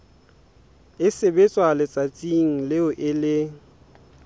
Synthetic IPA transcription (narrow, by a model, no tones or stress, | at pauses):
ɪsɪbet͡sʼwalɪt͡sʼat͡sʼiŋ̩lɪʊʔɪlɪ